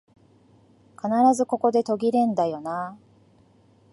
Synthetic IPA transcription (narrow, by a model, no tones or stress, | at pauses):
kanaɾazɨko̞ko̞d̪e̞t̪o̞ɡʲiɾẽ̞nd̪ajo̞na